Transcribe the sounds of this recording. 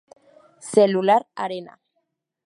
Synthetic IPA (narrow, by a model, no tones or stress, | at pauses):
selulaɾaɾena̰